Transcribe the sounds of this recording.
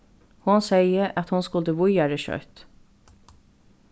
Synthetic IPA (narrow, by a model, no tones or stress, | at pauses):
hʊnseɪəʔɑt̪hʊnskʊld̪əʋʊɾjæːɾəʃœ̰ʏt̪